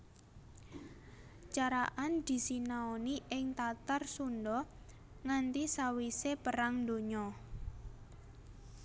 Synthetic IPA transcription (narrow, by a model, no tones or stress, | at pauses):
t͡ʃaɾaʔand̪̥i̤sinaoniʔɪŋt̪at̪arsunɖɔ | ŋant̪isawisepəɾaŋnd̪o̤ɲɔ